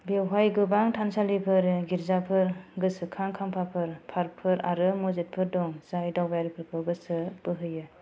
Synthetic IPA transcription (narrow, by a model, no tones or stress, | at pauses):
bewɦajɡɯbaŋtʰansalipʰɯɾɡiɾzapʰɯɾɡɯsɯkʰaŋkʰampʰapʰɯɾpʰaɾpʰɯɾaɾɯmɔzet̚pʰɯɾdɔŋzajdawbajaɾipʰɯɾkʰɯɡɯsɯb̥ɯɦɯjɯ